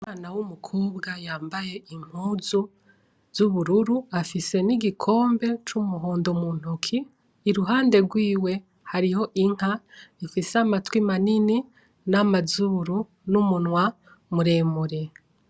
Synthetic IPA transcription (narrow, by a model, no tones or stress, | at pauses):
umaːnawumukʰuːbɡajaːmbaje̞im̥huːzu | z̥uβuɾuɾuafise̞niɡikʰo̞ːmbe̞t͡ʃumuɦo̞ːndomuːn̥ukʰiː | ɾuɦaːnde̞ɾɡwiːwe̞ | haɾiho̞ʔiŋ̥haifiseamatwimanini | namazuːɾu | numunŋwa | muɾe̞ːmuɾe̞